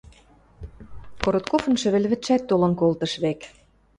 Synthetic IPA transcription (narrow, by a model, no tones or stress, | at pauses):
koɾot̪kofɤ̆nʃɘ̆βɘ̆lʲβɘ̆t̪ʃæt̪ːolɤ̆nkolt̪ɤ̆ʃβek